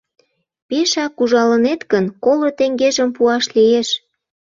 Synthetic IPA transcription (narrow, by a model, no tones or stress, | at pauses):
peʃɑkuʒɑlənet̪ɡənkolŏt̪eŋɡeʒəmpuɑʃlieʃ